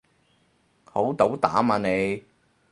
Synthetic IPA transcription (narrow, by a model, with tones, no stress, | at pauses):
ho˨˥wt̪o˨˥wt̪aː˨˥maː˧ne˨˧j